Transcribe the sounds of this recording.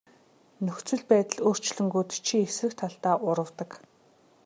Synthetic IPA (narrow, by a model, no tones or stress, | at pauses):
nɵxt͡swɵ̆ɮpæːt̪ə̆ɮoːr̥t͡ɕɮɵ̆ŋɡuːt̪t͡ɕʰiesrɘ̆kt̪ʰːaɮt̪aːʔʊɾə̆wt̪ə̆k